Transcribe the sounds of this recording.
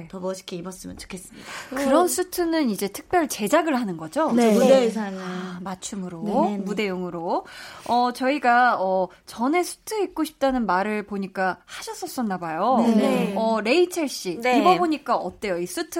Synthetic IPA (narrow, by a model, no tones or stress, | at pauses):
etʌbʌɕʰi̥kʰiibʌs͈ɯmjʌnt͡ɕo̥kʰes͈ɯmɲidakɯɾʌnsʰutʰɯnɯnid͡ʑe̞tʰɯ̥k̚p͈jʌɭt͡ɕe̞d͡ʑaɡɯɭhanɯnɡʌd͡ʑonedesʰaŋamat͡ɕʰumɯɾomude̞joŋɯɾoʌt͡ɕʌiɡaʌ | t͡ɕʌne̞sʰu̥tʰɯik̚k͈oɕʰi̥p̚t͈anɯnmaɾɯɭpoɲik͈ahaɕʰʌs͈ʌs͈ʌnːabajo | ʌɾe̞it͡ɕʰeɭɕ͈iibʌboɲik͈aʌt͈e̞jois͈ʰutʰɯ